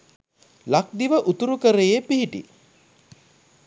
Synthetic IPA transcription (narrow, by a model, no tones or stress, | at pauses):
lak̚d̪iʋəʔut̪uɾukəɾejepiɦiʈḭ